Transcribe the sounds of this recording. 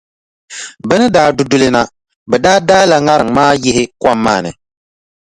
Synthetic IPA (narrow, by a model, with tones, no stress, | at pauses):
bɛ˦nɨ˦daː˨˦dʊ˦dʊ˦lɪ˦na˦ | bɛ˨daː˦daː˦la˨ŋa˦ɾɨ˨ŋmaː˦jɪ˦hɪ˦kʷa˦mːa̰ː˦˨nɨ̰˨